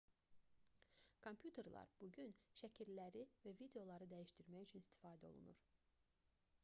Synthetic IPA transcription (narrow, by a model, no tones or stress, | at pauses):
kʰo̞mpʰjut̪ʰe̞ɾlˠɑ̰ɾb̥uɟynʃæcʰiɾlæɾivævid̪e̞jo̞lˠɑɾɯd̪æjiʃt̪iɾmæjyt͡ʃʰynist̪ʰi̥fɑːd̪æo̞̰lˠṵnṵɾ̥